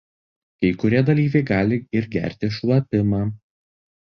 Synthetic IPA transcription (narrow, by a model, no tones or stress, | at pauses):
kɐɪkʊɾʲiɛd̪ɐlʲiːʋʲɛɪɡɑːlʲɪɪɾʲɡʲæ̰ˑɾʲt̪ʲɪʃlˠɐpʲɪmɑː